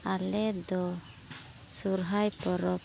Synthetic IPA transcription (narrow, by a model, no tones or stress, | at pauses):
alɛd̪ɔ | suɾɦajpɔɾɔ